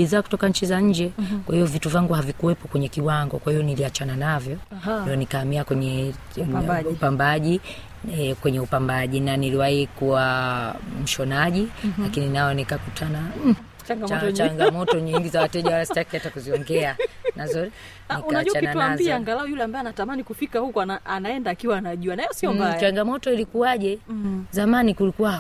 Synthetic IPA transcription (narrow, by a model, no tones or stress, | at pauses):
iðaaku̥tɔkaɲ̩t͡ʃizaɲ̩d͡ʒɛkwahiɔvituvaŋɡuhavikuwɛpɔkwɛɲɛkiwaŋɡɔkwahiɔniliat͡ʃananavjɔndiɔnikaːmiakwɛɲɛ | upambaʄi | kwɛɲɛupambaʄinaniliwahikuwa | m̩ʃɔnaʄilakininaɛnikakutʰana | aŋɡaɔt͡ʃaŋɡamɔtɔɲiŋɡizawatɛʄawalastakiatakuziɔŋɡɛanazɔ | nniuanaʄut͡ʃaakinantuaaziaaŋɡalaɔjulɛambaɛanatamanikufikahukuanaanaɛndaːkiwaːnaʄuanaɛjɔsiɔmbat͡ʃaŋɡamɔtɔilikuaʄɛzamanikulikuwa